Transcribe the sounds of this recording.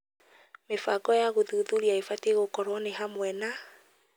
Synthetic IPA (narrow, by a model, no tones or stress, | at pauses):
mefaɡɔjaɣoðuðuɾiaefateɣokɔɾwɔneɦamwɛna